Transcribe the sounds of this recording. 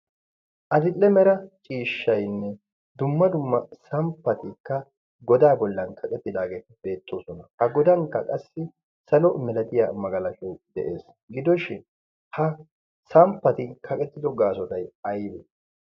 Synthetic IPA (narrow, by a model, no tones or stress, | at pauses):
ʔɐd̪ɪlːɛmɛɾɐt͡ʃʼiːʃːɐjnːɛ | d̪ʊmːɐd̪ʊmːɐsɐmpːɐt̪ɪkːɐ | ɡɔd̪aːbɔlːɐnkʰɐkʼɛt̪ːɪd̪aːɡeːbe̞ːt̪ʼːoːsɔnɐhɐɡɔd̪ɐŋkːɐkʼɐsːɪ | sɐlɔmɛlɐt̪ʼɪja̰ːmɐɡɐlɐʃɔwd̪ɛ̰ʔe̞ːs | ɡɪd̪ɔʃɪn | hɐ | sɐmpːɐt̪ɪkʰɐkʼɛt̪ːɪd̪ɔɡaːsɔt̪ɐjɐjbɛ